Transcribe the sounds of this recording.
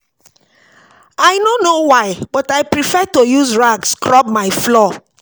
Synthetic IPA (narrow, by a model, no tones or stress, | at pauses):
aɪnonowaɪbɔtaɪpɹifɛtojuzɹaɡskʰɹɔb̚maɪflɔ